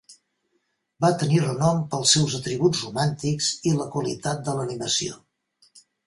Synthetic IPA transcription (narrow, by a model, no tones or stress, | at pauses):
bat̪ənirənɔmpəlˠsɛwzət̪ɾiβud͡zrumant̪ikz̥iləkwəlḭt̪at̪̚d̪ələniməsio̰